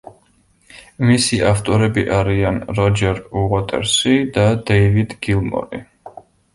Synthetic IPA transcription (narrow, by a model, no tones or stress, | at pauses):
misiaft̪ʼɔɾɛbiʔaɾianɾɔd͡ʒɛɾuʁɔt̪ʼɛ̰ɾsid̪ad̪ɛjvid̪ɡilˠmɔ̰ɾḭ